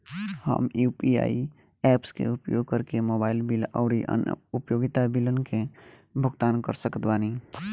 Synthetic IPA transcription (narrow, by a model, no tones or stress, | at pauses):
hə̰mjupia̰ːi | ɛːpskḛʊpjoːɡ̚kəɾkemoːbaːɪlbilɔ̰ːɾiʔə̰n̰ʊpjoːɡɪt̪abilənke | bʱʊɡt̪aːnkə̰ɾsəkət̪baːni